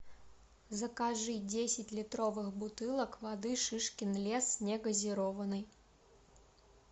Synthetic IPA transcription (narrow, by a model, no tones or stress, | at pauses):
zɐkaʐɨd͡zʲesʲɪt͡sʲlʲit̪ɾɔvɨxbut̪ɨlˠɐkvad̪ɨʂɨʂkʲinlʲɛsnʲɛɡɐzʲiɾɔvɐnɨj